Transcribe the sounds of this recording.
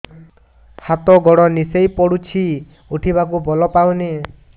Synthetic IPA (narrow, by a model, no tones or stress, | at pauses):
hat̪ɔɡɔɽɔnisejpɔɽut͡ʃʰi | uʈʰibak̬ubɔlɔpaw̃ne